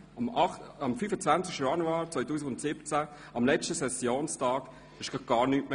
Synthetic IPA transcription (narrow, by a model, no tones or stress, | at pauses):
mɑɑmfyfət͡svant͡sɪʃtəjɑnuaːɾt͡svɔjtuːsɪɡʊntsɪbət͡sæ | ɑmlɛt͡ʃtəsɛsjoːnstʰɑːk | ɪʃɡ̥ɑɡ̥ɑːɾnytme